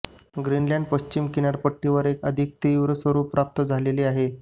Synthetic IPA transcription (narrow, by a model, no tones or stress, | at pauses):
ɡɾinljãɳɖ̚pəɕt͡ɕimkinaɾpəʈːiʋəɾekəd̪ʱik̚t̪iuʋɾəsʋəɾuːpːɾap̚t̪əd͡zʱaleleaɦe